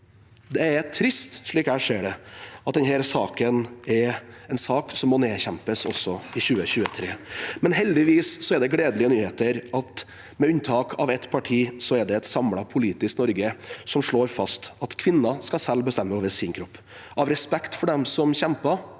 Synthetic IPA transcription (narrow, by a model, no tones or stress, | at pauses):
d̪ɛæɾt̪ʰɾɪst̪ʂɭiːkhæːʂeːɖɛɑt̪̚d̪ɛnhɛːɾsɑːkənɛɾɛnsɑːksɔmːɔneːçɛmpəsɔ̰sːɔɪɕʉːəɕʉːət̪ʰɾeːmɛnɦɛld̪ɪʋiːsːɔɛɖ̪ɛɡleːd̪əlɪənyːheːt̪əɾɑt̪ | mɛʉnt̪ʰɑːkʰɑʋɛt̪pʰɑʈʰiːsɔɛɖɛɛt̪sɑmlɑpʰʊliːt̪ɪsknɔɾɡəsɔmʂɭoːɾfɑst̪ɑt̪kʰʋɪnːɑskɑsɛlːbəst̪ɛmːəɔʋɛsɪŋkʰɾɔpː | ʔɑʋɾɛspɛkt̪fɔɖɛmsɔmçɛmpɑ